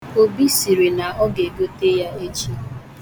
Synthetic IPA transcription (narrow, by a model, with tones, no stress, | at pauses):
o˨bi˦si˨ɾe˨na˨ɔ˦ɡe˨ɡo˦te˦ja˦e˦t͡ʃi˦